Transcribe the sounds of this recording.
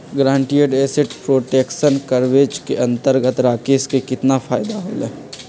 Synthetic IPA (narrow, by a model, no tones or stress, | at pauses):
ɡɾãːɳʈijəɖeːsɪʈpɾoːʈeːkʃənkəɾʋeːd͡ʒkeɐ̃nt̪əɾɡət̪ɾaːkeːskekɪt̪nafʰaːjd̪aɦo̰ːlɛː